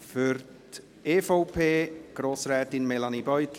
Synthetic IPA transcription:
føɾt | eːfoʊpʰeːɡ̥ɾoːsɾɛːtɪnmɛlanibɔjtʰ

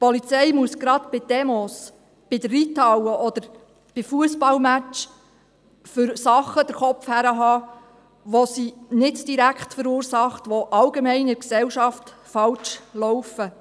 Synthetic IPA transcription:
pɔlit͡sɛjmuəsɡ̥ɾɑt̪b̥ɪd̥ɛmɔs | b̥ɪdəːitɑwəʔɔd̥̪əɾ | b̥ɪfuəsbɑlmæt͡ʃ | fʏɾsɑχəd̥əɾχɔpfhæɾəɦɑː | ʋosinɪtd̥iɾækχtfəɾuːɾsɑχtʋoʔɑlɡemɛɪnəksɛwʃɑft | fɑlt͡ʃlɔwfə

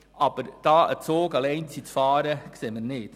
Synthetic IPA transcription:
ɑb̥əɾd̥ɑːʔə̰t͡soːɡɑleɪnt͡sit͡sfɑːɾəkseːmənɪt

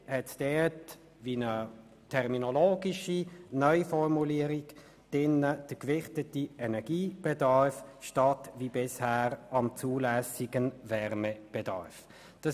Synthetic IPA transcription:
hɛtd̥ɛt | viːnə | tʰɛʁminɔloːɡiʃinœʏfɔʁmuliəɾiɡ | d̥ɪnːəd̥əkvɪχtətiɛnɛɡiːb̥ɛdɑɹfʃtɑtviːbɪshæːʁɑmt͡suːlæsiɡənvɛʁmɛb̥ɛdɑ̰ɾf | d̥ɑ

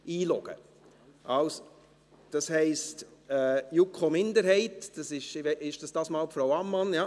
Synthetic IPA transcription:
iːlɔɡ̥ə̰ | ʔɑlso | d̥ɑshɛɪstɛːjukχomɪndəɾhɛɪtd̥ɑsɪʃɪʃd̥ɑsd̥ɑːsmɑːlpfɾaʊɑmːɑnja

